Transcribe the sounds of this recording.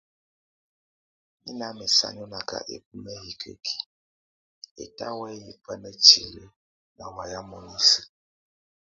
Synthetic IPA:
mḭ˦na˦me˨sa̰˦ɲɔ˦na˨ka̰˨ʔḛ˨p̚u˦nə˦ji˨kʰə̰˦kʰi̥˨ | ḛ˨ta̰˦wɛ˦ji˨pə˦nə˦t͡ʃi˨lə˦ | na˨wa˨ja˦mɔ˨ni˦sə˦

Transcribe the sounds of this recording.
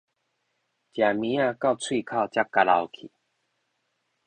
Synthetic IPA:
t͡ɕja˨˩mĩ˨˦ã˥˧˨ka˥˧ʊt͡sʰwi˥˧˨kʰa˥˧˨wt͡ɕja˦kːa˧la̰˧wkʰḭ˨˦

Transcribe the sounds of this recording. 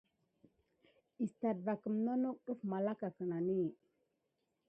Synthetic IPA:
i˨sta˨dva˨kə˨mno˦no˦kɗu˦fma˨la˦ka˨kə˨na˨ni˦

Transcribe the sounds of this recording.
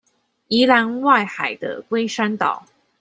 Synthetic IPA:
i˧˥la˧˥nwa˥˩ɪxa˨˩ɪd̪ə̰˦kwe˥ɪʂa˥nt̪ɑ˨˩˦ʊ

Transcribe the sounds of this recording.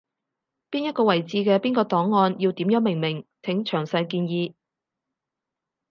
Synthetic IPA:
piː˥njɐ˥t̚kɔː˧wɐ˨˩jt͡siː˧kɛː˧piː˥nkɔː˧t̪ɔː˨˥ŋːɔː˧njiː˧wt̪iː˨˥mjœː˨˥ŋmɪ˨˩ŋmɪ˨˩ŋt̪ʰɪ˨˥ŋt͡ʃʰœː˨˩ŋsɐ˧jkiː˧njiː˧

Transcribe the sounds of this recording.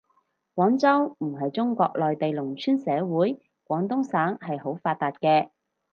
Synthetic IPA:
kʷɔː˨˥ŋt͡sɐ˥wm̩˨˩ɦɐ˨jt͡sʊ˥ŋkɔː˧k̚lɔː˨jt̪e˨jlʊ˨˩ŋt͡ʃʰyː˥nsɛː˨˧wuː˨˥j | kʷwʷɔː˨˥ŋt̪̬ʊ˥ŋsaː˨˥ŋhɐ˨jho˨˥wfaː˧t̚t̪aː˨t̚kɛː˧

